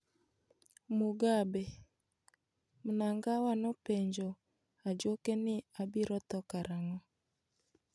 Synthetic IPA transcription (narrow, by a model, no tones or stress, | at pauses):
muɡabɛ | munaŋɡawanɔpɛɲd͡ʒɔ | ad͡ʒokɛnɪabiɾɔt̪ɔkaɾaŋɔ